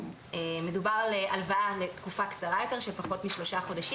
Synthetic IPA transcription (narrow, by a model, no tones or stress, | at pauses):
eme̞dubaʁaleʔalvaale̞t̪kufakt͡saʁajo̞te̞ʁʃepaχo̞tmiʃlo̞ʃaχo̞daʃi